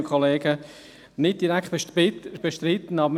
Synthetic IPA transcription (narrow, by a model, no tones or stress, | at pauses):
əkʰχoleːɡə | nɪt̚d̥iɾækχtb̥eʃtɾɪt̪ən̩ɑbə